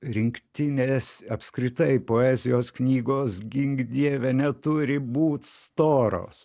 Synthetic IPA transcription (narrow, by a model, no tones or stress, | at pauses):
ɾʲɪŋkt̪ʲɪnʲeːsɐpskɾʲɪt̪ɐɪpoːæzʲɪjoːsknʲiːɡoːsɡʲɪŋɡd̪ʲiɛʋʲɛnʲɛt̪ʊɾʲɪbuːt̪ʲst̪oːɾo̰ːs